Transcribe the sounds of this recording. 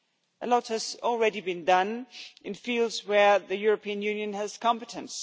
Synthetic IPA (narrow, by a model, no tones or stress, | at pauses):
ʔəlɔt̚həzɔl̩ˠɹɛɾibĩndʌ̃nʔɪ̃nfilˠdzwəðɨjʊɹəpʰĩə̃njʉ̃njə̃nəz̥kʰɑ̃mpətʰə̃ns